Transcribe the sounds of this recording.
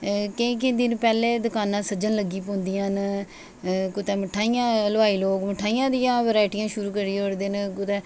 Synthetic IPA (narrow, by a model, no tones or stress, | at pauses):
kẽk̬ɪd̪ɪnpɛːleːd̪ʊkaːnãːsəd͡ʒənləɡiːpõːnd̪ijãːn | kʊt̪ɛːməʈʰːaːijãːlʋaːiːloːɡməʈʰaːijãːd̪ɪjãːʋɾaːɪʈijãːʃʊɾuːkəɾiːoːɾd̪eːnkʊt̪ɛː